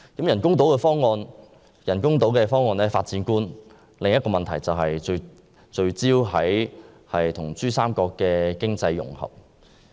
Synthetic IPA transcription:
kɐ˨˥mjɐ˨˩nkʊ˥ŋt̪o˨˥wkɛː˧fɔː˥ŋːɔː˧n | jɐ˨˩nkʊ˥ŋt̪o˨˥wkɛː˧fɔː˥ŋːɔː˧nɛː˥faː˧t̚t͡siː˨˥nkuː˥n | lɪ˨ŋjɐ˥tkɔː˧mɐ˨nt̪ʰɐ˨˩jt͡sɐ˨wɦɐ˨jt͡ʃɵ˧ɥ | t͡ʃɵ˧ɥt͡siː˥wɦɐ˨˥j | hɐ˨jt̪ʰʊ˨˩ŋt͡syː˥saː˥mkɔː˧kːɛː˧kɪ˥ŋt͡sɐ˧jːʊ̰˨˩ŋhɐ̰˨˩p̚

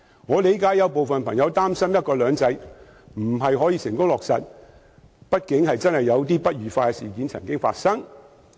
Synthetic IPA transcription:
ŋɔː˨˧le˨˥jkaː˨˥jːɐ˨˧wpo˨wfɐ˨npʰɐ˨˩ŋjɐ˨˧wt̪aː˥msɐ˥mjɐ˥t̚kɔː˧lœː˨˧ŋt͡sɐ˨˧j | m̩˨˩ɦɐ˨jɦɔː˨˥jiː˧sɪ˨ŋkʊ˥ŋlɔː˨k̚sɐ˨t̚ | pɐ˥t̚kɪ˨˥ŋhɐ˨jt͡sɐ˥nhɐ˨jːɐ˨˧wt̪̬iː˥pɐ˥t̚ɥyː˨faː˧kɛ˧siː˨˩k̬iː˨˥nt͡sʰɐ̰˨˩ŋkɪ˥ŋfa̰ː˧t̚sɐ˥ŋ

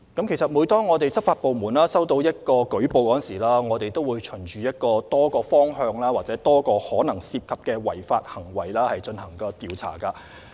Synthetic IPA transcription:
kɐ˥mkʰe˨˩sɐ˨t̚muː˨˧jt̪ɔː˥ŋːɔː˨˧t̪e˨jt͡sɐ˥p̚faː˧t̚po˨wmuː˨˩naː˥sɐ˥wt̪o˧wjɐ˥t̚kɔː˧kɵ˨˥po˨˧wkɔː˨˥˨nsiː˨˩laː˥ŋɔː˨˧t̪e˨jt̪o˥wuː˨˧jt͡ʃʰɵ˨˩nt͡ʃyː˨˧jɐ˥t̚kɔː˧t̪ɔː˥kɔː˧fɔː˥ŋɦœː˧ŋlaː˥waː˨t̚t͡sɛː˨˥t̪ɔː˥kɔː˧hɔː˨˥nɐ˨˩ŋsiː˧p̚kʰɐ˨p̚kɛː˧wɐ̰˨˩jfa̰ː˧t̚hɐ˨˩ŋwɐ̰˨˩jlaː˥hɐ˨jt͡ʃɵ˧nhɐ˨˩ŋkɐː˧t̪iː˨˧wt͡sʰa̰ː˨˩kɐː˧

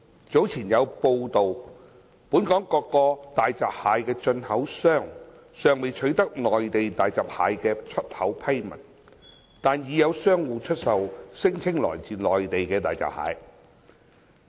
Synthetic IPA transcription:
t͡so˨˥wt͡sʰiː˨˩njɐ˨˧wpo˧wt̪o˨w | puː˨˥nkɔː˨˥ŋkɔː˧kːɔː˧t̪aː˨jt͡saː˨p̚haː˨˧˥jkɛː˧t͡ʃɵ˧nhɐ˨˥wsœː˥˩ŋ | sœː˨ŋme˨jt͡ʃʰɵ˨˥ɥt̪ɐ˥k̚lɔː˨˩jt̪e˨jt̪aː˨jt͡saː˨p̚haː˨˧jkɛː˧t͡ʃʰɵ˥t̚hɐ˨˥wpʰɐ˥jmɐ˨˩n | t̪aː˨njiː˨˧jɐ˨˧wsœː˥ŋwuː˨˧t͡ʃʰɵ˥t̚sɐ˨wsɪ˥ŋt͡sʰɪ˥ŋlɔ̰ː˨˩jt͡siː˨˩nlɔː˨jt̪e˨jkɛː˧t̪aː˨jt͡sa̰ː˨p̚ha̰ː˨˧˥j

